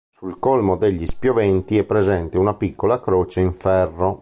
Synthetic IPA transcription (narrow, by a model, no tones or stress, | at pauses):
sulkolmod̪eʎːispjovɛnt̪iɛpːɾezɛnt̪eunapikːolakɾoːt͡ʃeiɱfɛrːo